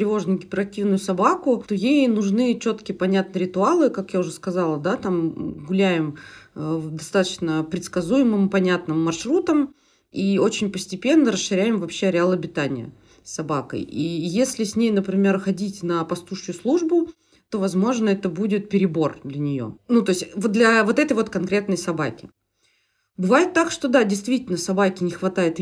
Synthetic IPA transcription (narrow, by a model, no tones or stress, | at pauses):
t̪ɾʲɪvo̞ʐnʊjʊɡʲɪpʲɪɾɐk̚tʲivnʊjʊsɐbakʊt̪ojejnʊʐnɨt͡ɕo̞t̪kʲɪjəpɐnʲat̪̚nəɾʲɪt̪ʊalˠɨkakjaʊʐɨskɐzalˠəd̪at̪amɡʊlʲæjɪməd̪ɐst̪at̪ət͡ɕnəpɾʲɪt̪skɐzujɪmɨmpɐnʲat̪nɨmːɐrʂɾut̪əm | io̞t͡ɕɪnʲpəsʲtʲɪpʲe̞nːəɾəsʂɨɾʲæjɪmvɐpɕːe̞ɾʲɪalˠɐbʲɪt̪anʲɪjə̰ | sːɐbakə̰jijesʲlʲɪsʲnʲejnəpɾʲɪmʲe̞rxɐdʲitʲnəpɐst̪uʂʊjʊslˠuʐbʊ | t̪o̞vɐzmo̞ʐnəɛt̪əbudʲɪt̪̚pʲɪɾʲɪbo̞rd̪lʲənʲɪjo̞̰nut̪o̞ɪsʲtʲvod̪lʲɐvo̞t̪ɛt̪əjvo̞t̪kɐnkɾʲe̞t̪nəjsɐbakʲɪ | bɨvajɪt̪ːakʂt̪o̞d̪adʲɪjst̪vʲitʲɪlʲnəsɐbakʲɪnʲɪxvɐt̪ajɪt̪